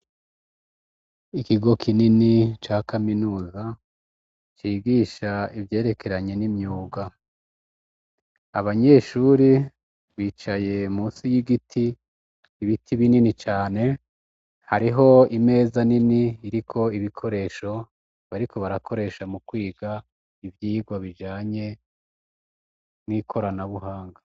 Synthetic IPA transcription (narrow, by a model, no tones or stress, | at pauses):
ikiɡo̞kʰininit͡ʃaːkaminuːza | t͡ʃiːɡiːʃaivje̞ːɾe̞ke̞ɾaɲe̞nimɲuːɡa | aβaɲe̞ːʃuɾi | βiːt͡ʃaje̞muːsijiɡitʰiː | βitʰiβininit͡ʃaːne̞ | haɾiɦo̞ime̞ːzaniniːɾikʰo̞iβikʰo̞ɾe̞ʃo̞ | βaɾikʰo̞βaɾakʰo̞ɾe̞ːʃamukwiːɡa | ivjiːɡwaβid͡ʒaːɲe̞ | niːkʰo̞ɾanaβuɦaːŋɡa